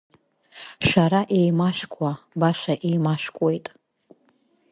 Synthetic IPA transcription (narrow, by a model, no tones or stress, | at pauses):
ʃaɾaʔe̞jmaʃʷᶣkʷʼabaʃaʔejmaʃkʷʼojtʼ